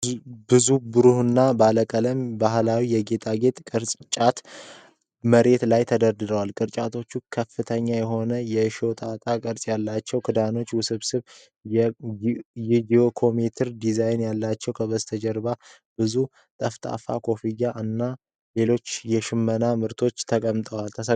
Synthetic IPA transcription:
bɨzubɨɾuhɨnːabaləkʼələmbaɦlawijɛɡe̞t̪ʼaɡe̞t̪ʼkʼɨɾsʼt͡ʃʼat̪ | məɾe̞t̪lajt̪ʰəd̪əɾd̪ɨd̪əwalkʼɨɾt͡ʃʼat̪ʰo̞t͡ʃːukʰəfːɨt̪ʰəɲːajɛɦo̞nəjɛʃo̞t̪ʼat̪ʼakʼəɾsʼjalːat͡ʃːɛwkʰɨd̪ano̞t͡ʃːwʊsɨβsɨβ | id͡ʒio̞kʰo̞met̪ʰɨɾd̪izajnjalːat͡ʃːɛwkʰəβəst̪ʰəd͡ʒɛɾba | b̥ɨzu | t̪ʼəft̪ʼa̰fa̰kʰo̞fijaʔɨnːa | le̞lo̞t͡ʃːjɛʃɪmːənamɨɾt̪ʰo̞t͡ʃːt̪ʰəkʼəmt̪ʼəwalt̪ʰəsə

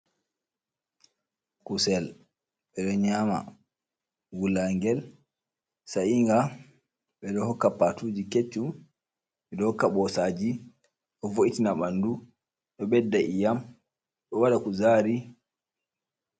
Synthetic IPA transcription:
kusɛl | ɓɛɗɔɲaːma̰ | wulaŋɡɛl | saʔiŋɡa | ɓɛɗɔhɔkːapatuːd͡ʒiket͡ʃːum | ɓɛɗɔhɔkːaɓɔsad͡ʒi | ɗɔvoʔitinaɓandu | ɗɔɓɛdːaʔijam | ɗɔwaɗakuzaːɾi

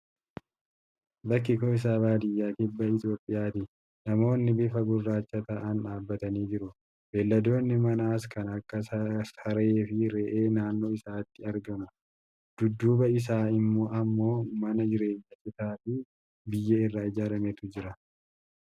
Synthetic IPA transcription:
bɐkːɪkoɪs̬aːbaːd̪ɪjːaːkɪbːɐɪt̪o̞ːpʼːɪjaːt̪ɪ | nɐmo̞ːnːɪbɪfɐɡʊrːaːt͡ʃːɐt̪ɐʔɐnᶑaːbːɐt̪ɐniːd͡ʒɪɾʊ | beːlːɐd̪o̞ːnːɪmɐnaːs̬kɐnɐkːɐsɐɾe̞ːfɪɾeːʔeːnaːnːo̞ːɪsaːt̪ːɪɐɾɡɐnɐ | d̪̥ʊd̪ːuːbɐɪs̬aːɪmːo̞ːʔɐmːo̞ːmɐnɐd͡ʒɪɾe̞ːɲːɐt͡ʃɪt̪aːfɪ | bɪjːɐɪrːaːɪd͡ʒaːɾɐmet̪ʊd͡ʒɪɾɐ

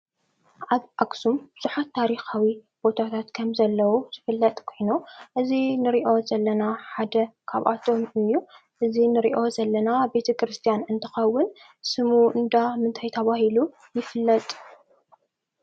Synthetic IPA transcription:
ʔaβʔaksumb̥ɨz̥uħat̪ʰːaɾixawi | b̥o̞t̪ʰat̪ʰat̪kʰɐmzɐlːɐwuz̥ɨfɨlːɐt̪ʼkʰo̞jnuʔɨzinɨɾiʔo̞zɐlːɐnaħad̪ɐkʰaβʔa̰t̪ʰo̞mɨjːuʔɨzinɨɾḭʔo̞zɐlːɐnabe̞t̪ʰɐkɾɨst̪ʰijanɨnt̪ʰɐ̥xɐwːɨn | sɨmuʔɨnd̪amɨnt̪ʰajt̪ʰɐβahilu | jɪfɨlːɐt̪ʼ

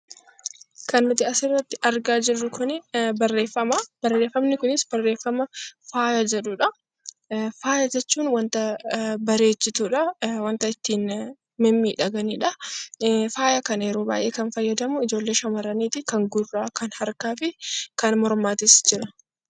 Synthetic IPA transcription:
kɐnːʊt̪ɪɐsɪrːɐt̪ːɪʔɐɾɡaːd͡ʒɪrːʊkʰʊnɪbɐrːeːfɐmɐb̥ɐrːeːfːɐmnɪkʊnɪsbɐrːe̞ːfːɐmɐfaːjɐd͡ʒɛᶑʊᶑɐ | faːjɐd͡ʒɛt͡ʃːuːnwɐnt̪ɐbɐɾeːt͡ʃːɪt̪uːᶑɐwɐnt̪ɐɪt̪ːiːn | mɛmːiːᶑɐɡɐniːᶑɐ | faːjɐkɐnɐjɛɾoːba̰ːjʔe̞̰ːkɐnfɐjːɐd̪ɐmʊɪd͡ʒo̞ːlːeːʃɐmɐɾɐniːt̪ɪkɐŋɡʊrːaːkɐnhɐɾkaːfɪkɐnmɔɾmaːt̪ɪsd͡ʒɪɾɐ

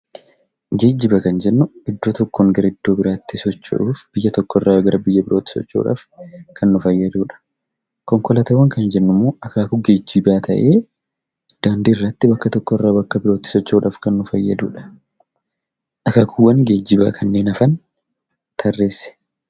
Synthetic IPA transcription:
ɡe̞ːd͡ʒːɪbɐkɐnd͡ʒɛnːʊɪd̪ːo̞ːt̪ɔkːoːŋɡɐɾɐɪd̪̥ːo̞ːbɪɾaːt̪ːɪsɔt͡ʃːɐ̰ᶑuːfb̥ɪjːɐt̪ɔkːɔrːaːɡɐɾɐbɪjːɐbɪɾo̞ːt̪ːɪ̥sɔ̰t͡ʃːo̰ːᶑa̰ːfkʰɐnːʊfɐjːɐd̪uːᶑɐ̥ | kɔŋkɔlɐt̪ɐwɐŋkɐnd͡ʒɛnːʊmːoːʔɐkaːkʊɡe̞ːd͡ʒːɪbaːt̪ʰɐʔe̞ː | d̪̥aːnd̪iɪrːɐt̪ːɪbɐkːɐt̪ɔkːɔɪrːaːbɐkːɐbɪɾo̞ːt̪ːɪ̥sɔt͡ʃːoːᶑaːfkɐnːʊfɐjːɐd̪ṵːᶑɐ̥ | ʔɐkaːkʊwɐnɡeːd͡ʒːɪba̰ːkʰɐnːe̞ːnɐfɐn | t̪ʰɐrːe̞ːsɛ̥

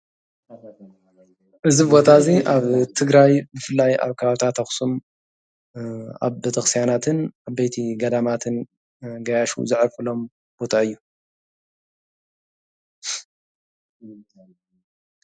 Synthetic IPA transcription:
ʔɨzibo̞t̪ʰaziʔaβt̪ʰɨɡɾajbɨfɨlːaja̰βkʰɐβaβt̪ʰat̪ʰːɐxsum | a̰βbɐt̪ʰɐxsijanat̪ʰɨnaβbejt̪ʰiɡɐd̪amat̪ʰɨn | ɡɐjaʃṵzɨʕɾfɨlo̞m | b̥o̞t̪ʰaɨjːu

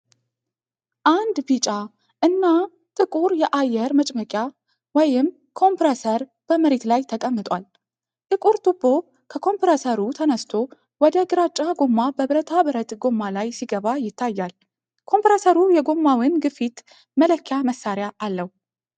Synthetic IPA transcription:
ʔand̪bit͡ʃʼa | ʔɨnːa | t̪ʼɨkʼuɾjɛʔajːɛɾmət͡ʃʼməkʼja | wɔjɪm | kʰo̞mpɾəsəɾb̥əməɾet̪lajt̪ʰəkʼəmːɨt̪ʼwal | t̪ʼɨkʼuɾt̪ʰʼubːo̞ | kʰəkʰo̞mpɾəsəɾut̪ʰənəst̪ʰo̞ | wɔd̪əɡɨɾat͡ʃʼːaɡo̞mːabəβɨɾət̪ʰabɨɾət̪ʼɡo̞mːalajsiɡəβajɪt̪ʰːajːal | kʰo̞mpɾəsəɾujɛɡo̞mːawɪnɡɨfit̪ | mələkʰːjaməsːaɾjaʔːlːəwu

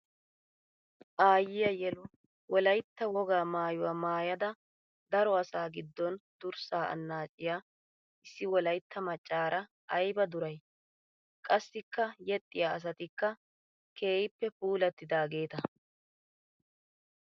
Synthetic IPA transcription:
ʔaːjɪjɐjɛlʊ | wɔlɐjt̪ːɐwɔɡaːmaːjʊwɐmaːjɐd̪ɐ | d̪ɐɾɔɐsaːɡɪd̪ːɔnd̪̥ʊɾsaːʔɐ̰nːaːt͡ʃʼːɪjaː | ʔɪsːɪwɔlɐjt̪ːɐmɐt͡ʃʼːaːɾʔɐ | ʔɐjbɐd̪ʊɾɐj | kʼɐsːɪkːɐjɛt̪ʼːɪjaːɐs̬ɐt̪ɪkːɐ | kʰe̞ːjɪpːɛpuːlɐt̪ːɪd̪aːɡe̞ːt̪ɐ

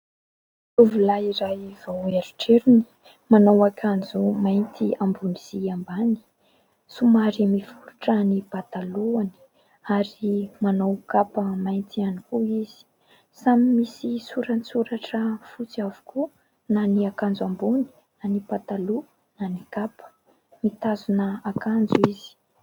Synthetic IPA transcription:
uvulaiɾajiv̥aueɾuʈ͡ʂeɾini̥ | manawakʰand͡zumajnt̪ʰiambuniz̥iambani̥ | sumaɾimifuɾuʈ͡ʂanipat̪aluani̥ | aɾimanawkapəmajnt̪ianikuiz̥i̥ | samimisisuɾanisuɾaʈ͡ʂəfut͡siavu̥kʰu | naniakand͡zuambuni̥ | nanibat̪alu | nanikapə̥ | mit̪azunəakand͡zuizi̥

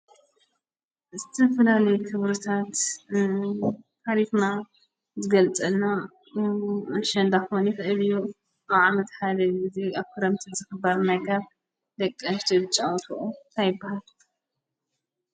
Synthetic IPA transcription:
zɨt̪ʰɐfɐlalɐjukʰɨβɾɨt̪ʰat̪ | hʰaɾifna | zɨɡɐlt͡sʼɐna | ʃɐnd̪axonixɐʔɨβiju | aβʕamɐt̪ħad̪ɐɨziaβkʰɨɾɐmt̪ʰizɨxɨbaɾnajkʰaβ | d̪ɐkʼːɐʃt̪ʰɨbɨt͡ʃʼawt̪ʰuʔunt̪ʰajɪbːahal

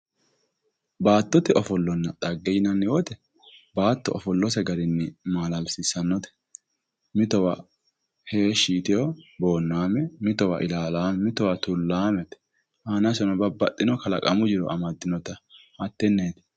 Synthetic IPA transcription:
baːt̪ːɔt̪ɪʔɔfɔlːɔnːɐt̪ʼɐɡːɛjnɐnːɪwɔt̪ɛ | baːt̪ːɔʔɔfɔlːɔs̬ɛɡɐɾɪnːɪmaːlɐlsɪsɐnːɔt̪ɛ̥ | mɪt̪ɔwɐ | he̞ːʃiːt̪ɪjobo̞ːnːaːmɛmɪt̪ɔwɐ̰ʔɪlaːlaːmɛmɪt̪ɔwɐt̪ʊlːaːmɛt̪ɛ̥ | haːnɐsɔnɔbɐbːɐt̪ʼːɪnɔkɐlɐkʼɐmʊd͡ʒɪɾɔ̰ʔɐmɐd̪ːɪnɔt̪ɐː | t̪ːɛnːe̞ːt̪ɛ̥

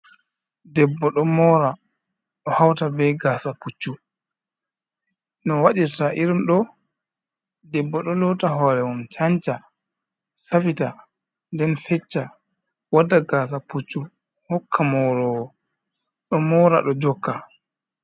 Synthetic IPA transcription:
dɛbːɔɗɔmɔɾa | ɗɔhawtabɛjɡaːsaput͡ʃːu | nɔwaɗiɾtaʔiɾimɗɔ | dɛbːɔɗɔlɔtaɦɔɾɛwumt͡ʃaɲt͡ʃa | safita | ndɛnfɛt͡ʃːa | wadaɡaːs̬aput͡ʃːu | hɔkʰːamɔɾɔwɔ | ɗɔmɔːɾa̰ɗɔd͡ʒɔkːa

